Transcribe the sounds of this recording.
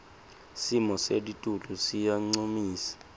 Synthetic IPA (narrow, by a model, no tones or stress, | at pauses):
simɔseditʼulusijaŋ͡ǀomiːsḁ